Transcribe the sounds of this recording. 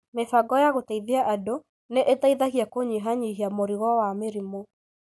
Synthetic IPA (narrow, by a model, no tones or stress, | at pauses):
mefaɡɔjaɣotaiðeaʔado | neʔetaiðaɣiakoɲiɦaɲiɦiamoɾiɣɔwameɾimo